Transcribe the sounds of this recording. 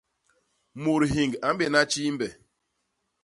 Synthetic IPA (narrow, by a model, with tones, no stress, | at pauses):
mu˨ɾɦi˨ŋɡa˨m̩˦be˨na˦t͡ʃi˦m̩˦be˨